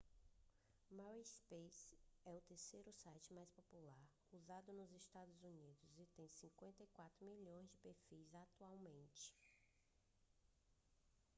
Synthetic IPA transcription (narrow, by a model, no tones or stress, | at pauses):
mawispesɛʊt̪eɾsejɾʊsajt͡ʃɪmajspopulaɾ | uzad̪ʊnʊzist̪ad̪ʊzunid̪ʊzɪt̪ẽj̃sĩkwẽnt̪ɐikwat̪ɾʊmiʎõj̃zd͡ʒɪpeɾfizat̪uawmẽnt͡ʃɪ̥